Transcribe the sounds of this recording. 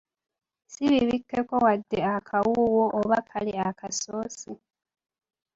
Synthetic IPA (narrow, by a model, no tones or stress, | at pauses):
siβiβikːe̞ko̞wadːeakʰawuwoʔːβakʰaliakasoːsi